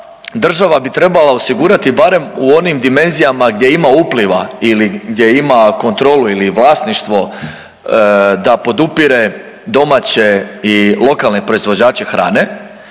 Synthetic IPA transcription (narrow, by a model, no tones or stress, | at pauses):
d̪r̩ʒaʋabit̪ɾe̞balaosiɡuɾat̪ibaɾe̞muo̞nimd̪ime̞nzijamaɡd̪je̞imaupliʋailiɡd̪ʲje̞imako̞nt̪ɾo̞ːluiliʋlˠaːsniʃt̪ʋo̞ | d̪apo̞d̪upiɾe̞ | d̪o̞mat͡ɕeilˠo̞kalˠnepɾo̞izʋo̞d͡ʑaːt͡ɕe̞xɾa̰ːne̞